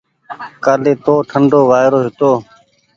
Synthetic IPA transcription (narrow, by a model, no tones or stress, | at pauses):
kaːleːt̪oːʈʰəɳɖoːʋaːjɾoːɦɪt̪oː